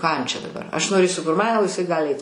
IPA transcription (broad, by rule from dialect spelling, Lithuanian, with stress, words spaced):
kɑː jɛm t͡ʃʲɛ dɐˈbɐr ɐʃ noːˈrʲeːsʲʊ kʊr ˈmɐn oː ɪˈsɐɪ ˈɡɑːlʲɪ ˈɐɪt